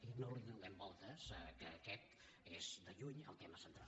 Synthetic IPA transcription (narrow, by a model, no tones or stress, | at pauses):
inoliðunɛmbɔlˠt̪əskəːkɛt̪ | ezd̪əʎuɲə̰lˠt̪eməsənt̪ɾalˠ